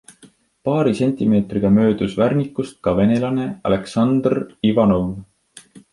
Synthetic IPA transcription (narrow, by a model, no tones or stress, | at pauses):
pɑːɾise̞nʲt̪ʲime̞ːt̪riɡ̥ɑmø̞ːd̪̥usværnikːˑust̪̚kɑve̞ne̞lɑne̞ɑ̰le̞ksɑnd̪rivɑno̞v